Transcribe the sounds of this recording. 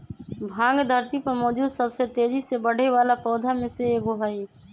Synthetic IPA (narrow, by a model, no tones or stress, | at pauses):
bʱãːŋɡd̪ʱəɾt̪ipəɾmɔːd͡ʒ̪usəbset̪eːd͡ʒisebəɽ̤eʋaːlapɔːd̪ʱamẽseeːɡʊɦaːi